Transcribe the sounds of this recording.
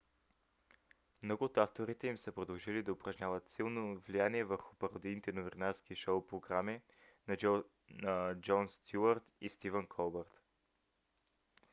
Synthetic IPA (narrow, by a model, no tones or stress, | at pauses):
mnɔɡʊːt̪aft̪oɾit̪ɛimsəpɾod̪ɐlˠʒilid̪ɐʊpɾɐʒnʲjavət̪silˠnovlianiɛvəɾxʊ̥pɐɾod̪ijnit̪ɛnovɛɾnaɾskiʃowpɾoɡɾami | nɐ | nɐd͡ʒɔnst̪ʰjuɐɾt̪ist̪ivənkʰɔlˠbəɾt̪